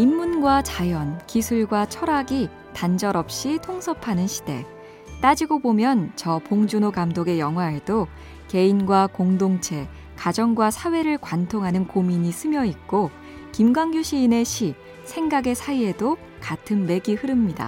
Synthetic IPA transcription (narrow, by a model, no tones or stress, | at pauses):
imːunɡwat͡ɕajʌnkisʰuɭɡwat͡ɕʰʌɾaɡi | tand͡ʑʌɾʌp̚ɕ͈itʰoŋsʰʌpʰanɯnɕʰi̥d̥e̞̰ | t͈ad͡ʑiɡobomjʌnt͡ɕʌpoŋd͡ʑunokamdoɡe̞jʌŋɦwaedo | ke̞inɡwakoŋdoŋt͡ɕʰe̞ | kad͡ʑʌŋɡwasʰawe̞ɾɯɭkwantʰoŋɦanɯnkomiɲis͈ʰɯmjʌik̚k͈o | kimɡwaŋɡjuɕʰiːne̞ɕʰi | sʰe̞ŋɡaɡe̞sʰaie̞do | katʰɯnme̞ɡihɯɾɯmɲida̰